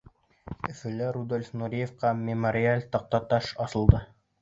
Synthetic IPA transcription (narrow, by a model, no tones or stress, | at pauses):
ɵ̆fɵ̆læɾud̪olʲfnuɾʲijefqɑmʲɪmoɾʲɪalʲt̪ɑq̚t̪ɑt̪ɑʃɑsɤ̆lˠd̪ɤ